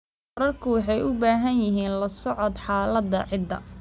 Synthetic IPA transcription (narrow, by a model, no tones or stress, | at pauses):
ɾɐrkʰʊwɑħɑjʔʊbaːɦɐnjɪɦiːnlɐsɔʕɔd̪ħɑːlɐd̪ɐ̰ʕɪd̪ɐ̰